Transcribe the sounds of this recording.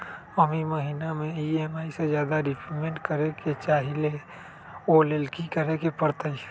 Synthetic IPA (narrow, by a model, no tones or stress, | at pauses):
əmiməɦinamẽiemaːised͡ʒjaːd̪aɾɪpʰɾimẽɳʈkəɾeket͡ʃaːɦile | olelkikəɾekepəɾt̪əi